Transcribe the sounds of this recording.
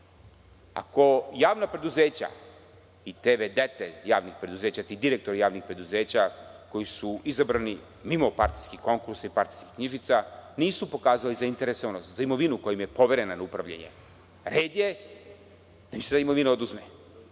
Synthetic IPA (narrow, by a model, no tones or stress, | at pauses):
a̰ko̞jaːʋnapɾe̞d̪uze̞ːt͡ɕa̰ | it̪eːʋed̪et̪eja̰ːʋnixpɾe̞d̪uzeːt͡ɕat̪iid̪iɾek̚t̪o̞ɾijaːʋnixpɾe̞d̪uzeːt͡ɕako̞jisuizabɾani | mimo̞paɾt̪i̥skiko̞ŋkuɾsaipaɾt̪i̥ski̥xkɲiʒit̪saniːsupo̞kaːzaalizaint̪e̞ɾesoʋanost̪zaimo̞ʋinukojimje̞po̞ʋe̞ɾe̞nanaupɾaʋʎʲa̰ɲḛ | ɾeːd̪je | d̪̥amiset̪aimo̞ʋinaod̪uzme